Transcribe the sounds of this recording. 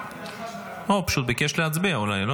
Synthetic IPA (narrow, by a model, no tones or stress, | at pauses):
maupaʃut̪̚bekeʃleat͡sbiaulajlo